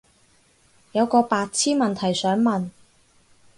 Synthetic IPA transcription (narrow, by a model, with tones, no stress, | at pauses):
jɐ˨˧wkɔː˧paː˧t̚t͡sʰiː˥nmɐ˨nt̪ʰɐ˨˩jsœː˨˥ŋmɐ˨n